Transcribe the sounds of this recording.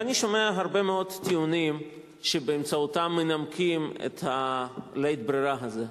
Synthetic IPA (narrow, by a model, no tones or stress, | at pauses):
aniʃomeaɦaɾbemeo̞d̪tːiunim | ʃebeːmt͡saut̪amːenamkʰimḛt̪halejt̪̚bɾiɾaɦaze